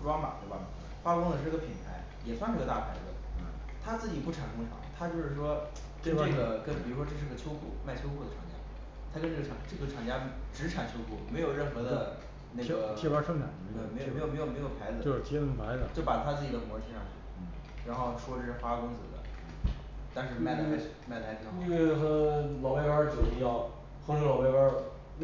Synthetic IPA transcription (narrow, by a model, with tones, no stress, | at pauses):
ʈ͡ʂwɑ˥ŋmɐ̰˨˩t̪we˥˩ɪba̰˩ | fa˥kʊ˥ŋdə˧ʂ̩˥˧˥ɡə˧pʰi˨˩nt̪ʰa˧˥ɪ | jɛ˨˩swnm˧˥ɡt̪a˥˩pʰa˧˥ɪd͡zɹ̩˩ | t̪ʰa˥t͡sɹ̩˥˩t͡ɕi˨˩pu˥˩ʈ͡ʂʰa˨˩nkʊ˥ŋʈ͡ʂʰɑ̰˧˥˦ŋt̪ʰa˥t͡ɕjo˥˧ʊʂɻ̩˥˩ʂwɔ˥ | kə˥nʈ͡ʂɤ˥˩ɡə˩kə˥npi˨˩ɻu˧˥ʂwɔ˥ʈ͡ʂɤ˥˧ʂɻ̩˧˥ɡə˧t͡ɕʰjo˥ʊkʰṵ˥˩ma˥˩ɪt͡ɕʰjo˥ʊkʰu˥˩d̪ə˩ʈ͡ʂʰɑ˧˥ŋt͡ɕja̰˥ | t̪ʰa˥kə˥nʈ͡ʂɤ˥˩ɡə˩ɑ˧˥ŋʈ͡ʂɤ˥˩ɡə˩ʈ͡ʂʰɑ˨˥ŋt͡ɕja˥ʈ͡ʂɻ̩˧˥ʈ͡ʂʰa˨˩nt͡ɕʰjo˥ʊkʰu˥˩me˧˥ɪjo˨˩ʊɻə˥˩nxɤ˧˥d̪əə˧ | ne˥˩˥ɡə˩jɛ˥˧˩wə˥ʂŋʈ͡ʂʰa˨˩nə˧˥t̪we˥˩me˧˥jo˥˧˨jme˧˥jme˧˥jo˨˩pʰa˧˥ɪd͡zɹ̩˧t͡ɕo˥˧ʂɻ̩˥˩t̪ʰɛ˥nə˥˩ŋpʰa˧˥ɪdə˧˨t͡ɕo˥˩ʊpa˨˩t̪ʰa˥t͡sɹ̩˥˩t͡ɕi˨˩d̪ə˦mwɔ˧˥t͡ɕʰi˧˥ʂɑ̰˥˧ŋt͡ɕʰy̰˥˩˥ | ɻa˧˥nxo˥˧ʊʂwɔ˥ʈ͡ʂɤ˥˧˩ʂɻ̩˥˩xwa˥˧kʊ˥ŋt͡sɹ̩˨˩d̪ə̰˦ | t̪a˥˧nʂɻ̩˥˧ma˥˩ɪla˧˥a˥˧˥ma˥˩ɪlʰt̪i˥˧˩ɑ˥i˥nwe˥˧˩ɪxɤ˧˥lɑ˧˥pa˥˧ɪpa˞˥˧ʈ͡ʂu˨˩d̪ə˧˥jɑ˥˩ʊ | xo˧˥lo˧˥lɑ˧˥ʊpa˥˧ɪpə˥